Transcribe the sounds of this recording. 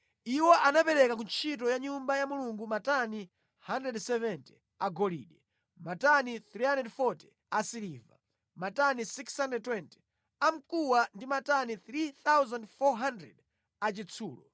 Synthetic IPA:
iwɔʔanapɛɾɛkak̬unt͡ʃʰit̬ɔjaɲumbajamuluŋɡumatani | handɾɛdsɛvɛnti̥ | aɡɔlḭːɗɛ | mataniθɾihandɛdfɔti̥ | asiliva̰ | matanisikshandɛd̚twɛnti̥ | am̩kuwandimataniθɾiθawzandfɔɦandɾɛ̰d | at͡ʃit͡sʰuːlɔ̰

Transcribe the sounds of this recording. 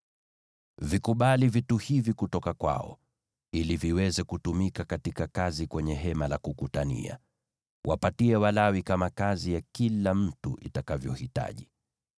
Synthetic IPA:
vikuɓalivituhivikutɔkakwa̰ɔ̰ | iliviwɛzɛkutumikakatikakazikwɛɲɛɦɛmalakukutanḭa̰ | wʔapatiɛwalawikamakazijakilam̩tuʔḭtakavjɔhita̰ʄi

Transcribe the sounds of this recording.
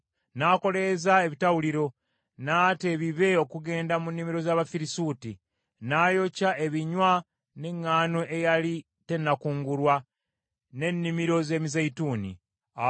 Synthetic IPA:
naːko̞le̞zae̞βitawuliɾo̞ | naːte̞βiβe̞o̞kuɡe̞ːndamunːimiɾo̞zaːβafiɾisuːti | naːjo̞cae̞βiɲwa | ne̞ŋːaːno̞ʔe̞jali | te̞nːakuːŋɡuɾwa | ne̞nːimiɾo̞ze̞ːmizejituːnḭ | a

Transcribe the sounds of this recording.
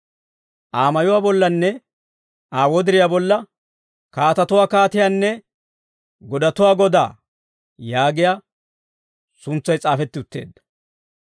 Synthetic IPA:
ʔaːmɐjʊwaːbɔlːɐnːɛ | ʔaːwɔd̪ɪɾɪjaːbɔlːɐ | kaːt̪ɐt̪ʊwaːkaːt̪ɪjanːɛ | ɡɔd̪ɐt̪ʊwaːɡɔd̪a̰ː | jaːɡɪjaː | sʊnt͡sːɐjt͡sʼaːfɛt̪ːɪʊt̪ːe̞̰ːd̪ːɐ̥

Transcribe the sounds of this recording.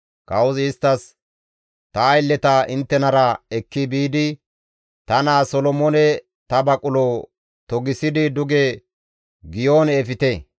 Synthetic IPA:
kɐwʊzɪst̪ːɐs | t̪ɐːjlːɛt̪ɐʔɪnt̪ːɛnɐɾɐɛkːɪbiːd̪ɪ | t̪ɐnaːsɔlɔmonɛ | t̪ɐbɐkʼʊlɔ | t̪ɔɡɪsɪd̪ɪd̪ʊɡɛ | ɡɪjoːnɛfɪt̪ɛ

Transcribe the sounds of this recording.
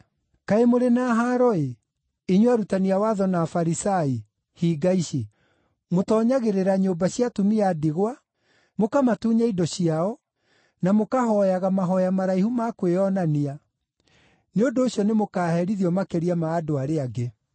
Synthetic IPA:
kaemoɾenaɦaːɾɔe | iɲwaɾutaniawaðɔnaːfaɾisai | hiɡaiɕe | motɔːɲaɣeɾeɾaɲoːbaɕjatumiadiɣwa | mokamatuːɲaidɔɕiaɔ | namokaɦɔjaɣamaɦɔjamaɾaihumakweɔnania | neondoːɕjɔnemokaːhɛɾiðiɔmakeɾiamaːdoaɾeaɡe

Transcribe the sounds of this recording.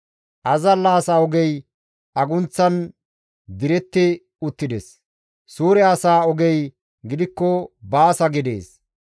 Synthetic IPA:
ʔɐzɐlːaːsaɔɡɛj | ɐɡʊnt͡sːɐn | d̪ɪɾɛt̪ːɪ | ʊt̪ːɪd̪ɛs | suːɾɛɐsaːɔɡɛj | ɡɪd̪ɪkːɔbaːsɐɡɪd̪ḛːs

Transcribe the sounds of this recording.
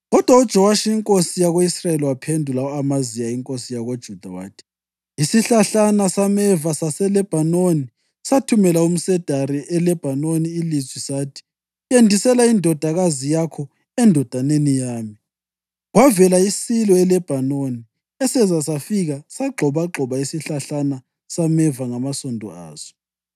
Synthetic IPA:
ɣɔd̥ʱwaud̥ʒ̥ʱɔwaʃiiŋkʼosijaɣoisrajeliwapʰendʱulaamazijaiŋkʼosijaɣod̥ʒ̥ʱud̥ʱawa̰ːtʰi̥ | isiɬaɬanasamɛvasasɛlɛb̥ʱanoni | satʰumɛlaum̩sɛd̥ʱaɾiʔɛlɛb̥ʱanoniːlizwisaːtʰi̥ | jendʱisɛlaindʱɔd̥ʱaɣazijakʰɔ | ɛndʱɔd̥ʱanenijaːmi | ɣwavɛlaisilɔɛlɛb̥ʱanoni | ɛsɛzasafiɣasaɡ͡ǃʱɔβaɡ͡ǃʱɔβaisiɬaɬana | samɛvaŋamasɔndʱɔ̰a̰ːz̥ɔ̥

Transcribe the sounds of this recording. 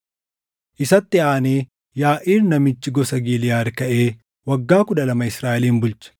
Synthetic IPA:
ʔɪsɐt̪ːɪaːneː | jaːʔiːɾnɐmɪt͡ʃːɪɡɔsɐɡiːlɪjaːɾkɐʔe̞ː | wɐɡːaːkʊᶑ̪ɐlɐmɐɪsɾaːʔɛliːnbʊlt͡ʃɐ̥

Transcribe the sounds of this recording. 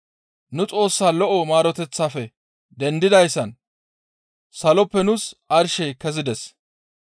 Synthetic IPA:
nʊt͡sʼo̞ːsːaːlɔʔɔmaːɾɔt̪ɛt͡sːaːfɛ | d̪ɛnd̪ɪd̪ɐjsːɐn | sɐlɔpːɛnʊsʔɐɾʃɛkɛzɪd̪ɛs

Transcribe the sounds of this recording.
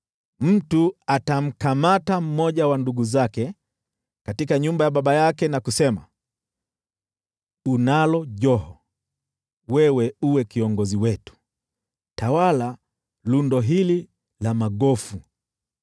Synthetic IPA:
m̩tuatam̩kamatam̩mɔʄawanduɡuzakɛ | katikaɲumbajaɓaɓajakɛnakusɛma̰ | unalɔʄɔhɔ | wɛwɛuwɛkiɔŋɡɔziwɛtu̥ | tawala | lundɔɦili | lamaɠɔfu

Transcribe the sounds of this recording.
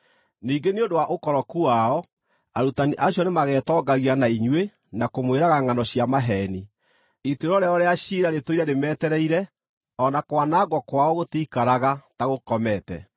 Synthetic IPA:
niːɡeneondowaʔokɔɾɔkuaɔ | aɾutaniʔaɕjɔnemaɣɛːtɔːɡaɣianaiɲwe | nakomweɾaɣaŋanɔɕjamaɦɛːni | iteɾɔɾeaɔɾeaɕiɾaɾetoiɾɛɾemɛtɛɾɛiɾɛ | ɔnakwanaɡwɔkwaɔɣotiikaɾaɣataɣokɔmɛtɛ̰

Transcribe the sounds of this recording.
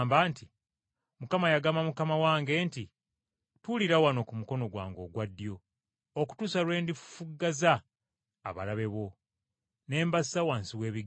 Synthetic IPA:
mbaːnti | mukamajaɡamamukamawaːŋɡe̞ːnti | tuliɾawano̞kumuko̞no̞ɡwa̰ːŋɡo̞ɡwadːjo̞ | oku̥tusalwe̞ːndiffuɡːazaː | βa̰laβe̞βo̞ | ne̞ːmbasawaːnsiwe̞ːβiɡ

